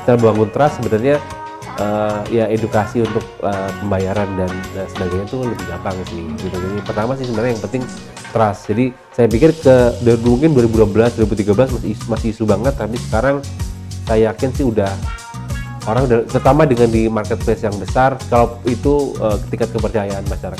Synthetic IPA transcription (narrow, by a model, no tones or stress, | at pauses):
kə̥t̪əlabəbaŋɡʊnt̪əɾasːəbənarɲa | ʔəjaedukasiunt̪ʊk̚əpəmbajaɾandanəsəbaɡajɲat̪uləbɪhɡapaŋisɪhɡit̪uanipərt̪amas̬ɪhsənaɾɲajaŋpənt̪ɪŋ | t̪əɾasd͡ʒadi | sajap̬ikɪrkədaibumuŋkɪnduaɾibuduabəlasduaɾibut̪iɡabəlasmasɪmasiːsubaŋət̪ːapisə̥kaɾaŋsajajajakɪnsɪhudah | oɾaŋudat̪ərt̪amadəŋandimarkɛt̪̚plesjaŋbəsarkalawit̪uət̪ikat̪̚kəp̬ərt͡ʃajaanmaʃaɾa